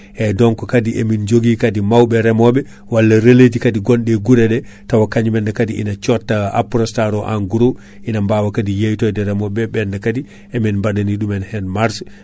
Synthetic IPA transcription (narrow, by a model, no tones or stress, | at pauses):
ʔɛdɔŋkɔkadiʔɛ̰mind͡ʒoɡikadimawɓɛɾɛmɔɓɛ | walːaɾeled͡ʒikadiɡɔnɗɛɡuɾɛɗɛ | tawakaɲumɛndɛkadiʔḭnat͡ʃɔtːaa̰pɾɔstaɾɔʔaŋɡuɾo | ʔinambawakadijejtɔjdɛɾɛmɔɓɛɓɛndɛkadi | ʔɛminmbaɗaniɗumɛnhɛnmaɾs